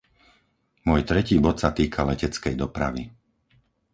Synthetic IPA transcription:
mʊɔjt̪ɾɛciːbɔt̪sat̪iːkʰalɛcɛt͡skɛjd̪ɔpɾa̰ʋi

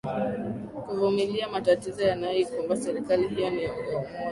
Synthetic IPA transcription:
kuvumiliamatatizɔjanajɔikwɔmbasɛɾikalihijɔniɔŋɡɔ

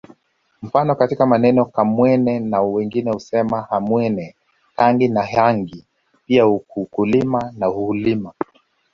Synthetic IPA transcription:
m̩fanɔkatikamanɛnɔkamwɛnɛnawɛŋɡinɛhusɛmahamwɛnɛ | kaŋɡinaɦaŋɡi | piauukulimanahulima

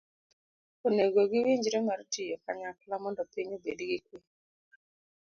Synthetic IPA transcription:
oneɡoɡɪwiɲd͡ʒiɾemaɾtijɔkaɲakalamɔndɔpɪɲobḛdiɡɪk̚we

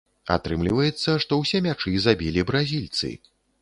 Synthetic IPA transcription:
a̰t̪ɾɨmlʲivɐjɛt̪sːɐʂt̪ɔwsʲɛmʲat͡ʂɨzabʲilʲibɾazʲilʲt̪sɨ̰

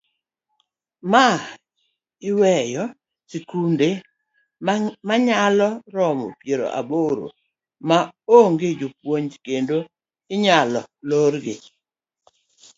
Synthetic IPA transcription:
ma | ɪwɛjɔ | sikunde | maɲalɔɾɔmɔ̰pjeɾo̰ʔa̰boɾo̰ | maoŋɡed͡ʒopwoɲd͡ʒkendo | ɪɲalɔ̰lorɡe

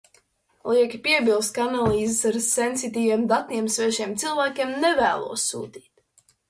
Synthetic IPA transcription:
lˠiɛkʲipʲiɛbʲilˠst̪̚kaanalˠiːzesaɾsensit̪iːvʲiɛmd̪at̪nʲiɛmsvʲɛɛʒiɛmt̪silˠvæːkʲiɛmnɛvæːlˠṵɔsːṵːt̪iːt̪

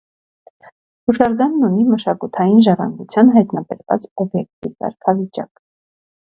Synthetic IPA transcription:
huʃɑɾd͡zɑnːuniməʃɑkut̪ʰɑjinʒɑrɑ̰ŋɡut͡sʰjɑnɦɑjt̪nɑbɛ̰ɾvɑ̰t͡sɔbjɛk̚t̪ʰivkɑ̰ɾkʰɑvit͡ʃɑ̰k

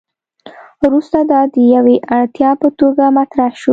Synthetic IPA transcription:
ɾust̪ad̪ɑd̪əjaweʔat̪jɑpət̪oɡamat̪ɾahʃu

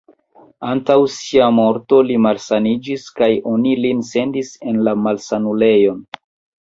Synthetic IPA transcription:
antawsiamo̞ɾto̞limalsanid͡ʒiskajo̞nilinse̞ndise̞nlamalsanule̞jo̞n

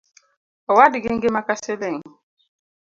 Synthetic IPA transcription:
ɔwadiɡeŋ̩ɡemakaselɛŋ

